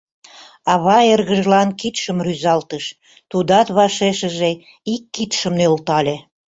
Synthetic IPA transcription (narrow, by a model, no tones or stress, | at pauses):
ɑβɑerɣəʒlɑnkit̪ʃəmryzɑlt̪əʃ | t̪ud̪ɑt̪βɑʃeʃə̆ʒe | ikːit̪ʃəmnølt̪ɑlʲe